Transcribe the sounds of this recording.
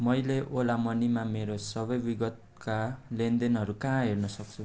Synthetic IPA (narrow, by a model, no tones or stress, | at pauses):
mʌjleʔolamʌnimameɾosʌbʌjbiɡʌt̪̚ | kalend̪enɦʌɾukãɦernʌsʌk̚t͡sʰu